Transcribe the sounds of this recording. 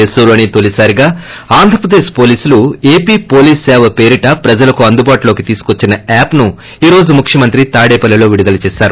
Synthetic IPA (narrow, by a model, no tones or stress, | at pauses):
esuːɾuɐnit̪olisaːɾiɡaːaːnd̪ʱɾɐpɾɐd̪e̞ːʃpo̞ːliːsulue̞ːpiːpo̞ːliːsːɛːʋɐpe̞ːɾiʈɐpɾɐd͡ʒɐlɐkuɐnd̪ubaːʈulo̞ːkit̪iːsu̥kot͡ʃːinɐaːpnu | iːɾo̞ːd͡ʒumukʰjɐmɐnt̪ɾit̪aːɽeːpɐlːɐlo̞ːʋiɽid̪ɐlɐt͡ʃɛːʃaːɾu